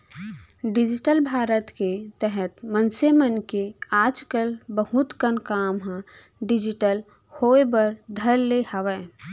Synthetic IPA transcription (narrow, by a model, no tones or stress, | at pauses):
ɖɪd͡ʒɪʈəlbʱaːɾət̪ket̪ɛɦɛt̪mənsemənkeaːd͡ʒkəlbəhʊt̪kənkaːmɦã | ɖɪd͡ʒɪʈəl | hoːebəɾd̪ʱəɾːehəʋə